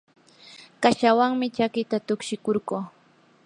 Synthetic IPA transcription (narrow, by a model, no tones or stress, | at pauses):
kaʃawaŋmɪt͡ʃakɪt̪at̪ʊkʃɪkoɾɢoː